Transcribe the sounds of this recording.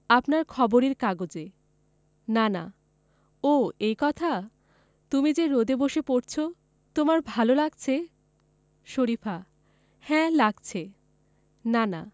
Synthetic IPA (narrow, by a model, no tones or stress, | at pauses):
apnaɾkʰɔboɾeɾkaɡod͡ʑe | nana̰ | oejkɔt̪ʰa | t̪umid͡ʑeɾod̪eboʃepoɾt͡ɕʰo | t̪omaɾbʱalolaɡt͡ɕʰe | ʃoɾifʰa | hɛ̃laɡt͡ɕʰe | nana̰